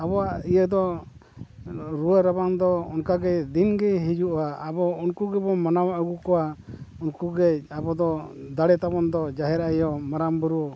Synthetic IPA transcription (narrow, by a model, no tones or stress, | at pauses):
abɔaijəd̪ɔ | ɾuəɾabaŋd̪ɔɔnkaɡɛd̪inɡɛɦid͡ʒuʔɔwaːbɔunkuɡɛbɔmanamaʔuɡukɔwaunkuɡɛabɔd̪ɔd̪aɽɛt̪abɔnd̪ɔd͡ʒaɦɛɾaʔɛjɔmaɾambuɾuɔ